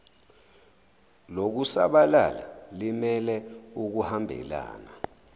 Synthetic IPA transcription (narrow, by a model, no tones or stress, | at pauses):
lok̬usa̰ɓala̰lalimɛlɛuk̬uhambʱɛ̰la̰ːna